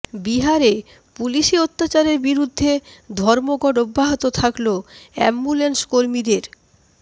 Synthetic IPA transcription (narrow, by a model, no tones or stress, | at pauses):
biɦaɾe | puliʃeot̪ːat͡ɕaɾeɾbiɾud̪ʱːed̪ʱɔɾmoɡɔɖobːaɦit̪ot̪ʰakloɛ̰mːulenskoɾmid̪eɾ